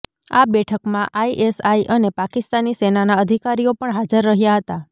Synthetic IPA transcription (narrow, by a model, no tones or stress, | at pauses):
a̰bɛʈʰəkmãʔaiʔesaiʔənepakist̪anisenanaəd̪ʱikaɾijopəɳɦad͡ʒəɾːəɦjaɦət̪a